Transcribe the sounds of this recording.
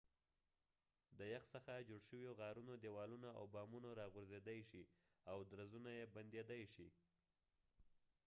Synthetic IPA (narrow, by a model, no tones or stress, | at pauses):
d̪əjaxsəxad͡ʒoɽʃəwjoɣɑɾunod̪ewɑlunaa̰wbɑmunoɾɑɣʊɾzed̪ajʃi | awd̪ɾazunajeband̪jed̪ajʃi